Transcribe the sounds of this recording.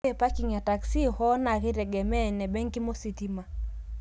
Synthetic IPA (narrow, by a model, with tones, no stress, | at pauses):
ɛ˨pa˦ki˨ɲa˨ta˨ksi˦hɔ˦na˨ɣɪ˦ɾɛ˨ɡɛ˨mɛ˦˨nɛ˨bɛ˦ŋki˦mo˦si˨ti˦ma˨